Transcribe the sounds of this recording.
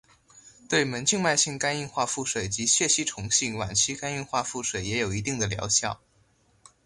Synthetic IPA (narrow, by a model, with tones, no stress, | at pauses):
t̪we˥˩ɪmə˧˥nt͡ɕʰi˥˧ŋma˥˧ɪɕi˥˩ŋka˥ni˥˧nxwa˥˧fu˥˩ʂwe˨˩ɪt͡ɕi˧˥ɕɥɛ˥˩ɕi˥ʈ͡ʂʰʊ˧˥ŋɕi˥˩ŋwa̰˨˩nt͡ɕʰi˥ka˥ni˥˧nxwa˥˧fu˥˩ʂwe˨˩ɪjɛ˧˥jo˨˩ʊi˧˥t̪i˥˩ŋd̪ə˩ljɑ̰˧˥ʊɕjɑ˥˩ʊ